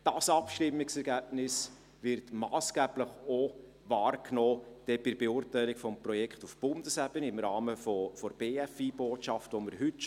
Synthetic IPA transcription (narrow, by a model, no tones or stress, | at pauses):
d̥ɑsɑpʃtɪmːɪksɛɾɡæːbnɪs | vɪɾtmɑːsɡ̥æːbləχo | vɑːɾknoːd̥ɛb̥ɪɾbeʊɾtæɪlɪkfɔmprɔjɛkχtufb̥ʊnd̥əsɛb̥ənəɪmɾɑːməfɔfɔɾb̥eːɛfiːboːtʃɑftʋoməɾɦʏt